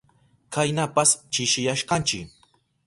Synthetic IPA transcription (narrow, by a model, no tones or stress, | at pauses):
kʰajnapast͡ʃɪʃɪjaʃkɑnt͡ʃɪ̰k